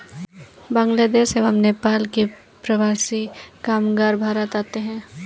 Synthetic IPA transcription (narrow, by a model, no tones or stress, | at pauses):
bãːŋɡlaːd̪eːʃeʋəmneːpaːlke | pɾəʋaːsikaːmɡaːɾbʱaːɾət̪aːt̪eɦɛ̃ː